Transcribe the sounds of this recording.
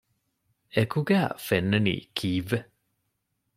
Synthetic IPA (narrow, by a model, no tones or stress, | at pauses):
ekuɡæːfenːenḭːkʰiːʋːe